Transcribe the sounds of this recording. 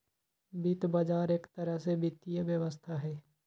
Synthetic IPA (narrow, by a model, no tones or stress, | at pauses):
bit̪bad͡ʒaːɾeːkt̪əɾəɦsebɪt̪ːijəʋjəʋəst̪ʰaɦɛː